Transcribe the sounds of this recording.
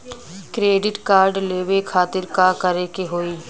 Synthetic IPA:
kɾeːɖɪʈkaːɾɖleːʋekʰaːt̪ɪɾkaːkəɾeːkeɦoːiː

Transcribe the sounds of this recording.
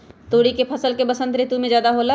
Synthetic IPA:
t̪oːɽikepʰəsəlkebəsə̃nt̪ɾɪt̪umẽd͡ʒjaːd̪aɦola

